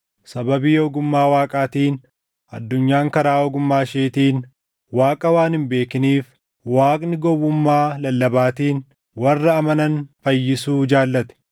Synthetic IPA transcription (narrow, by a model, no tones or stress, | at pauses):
sɐbɐbiːjoːɡʊmːaːwaːkʼaːt̪iːn | ɐ̰d̪ːʊɲːaːŋkɐɾaːɔɡʊmːaːʃeːt̪iːn | waːkʼɐwaːnɪmbe̞ːkɪniːf | waːkʼnɪɡɔwʊmːaːlɐlːɐbaːt̪iːn | wɐrːɐːmɐnɐnfɐjːɪsuːd͡ʒaːlːɐt̪ɛ̥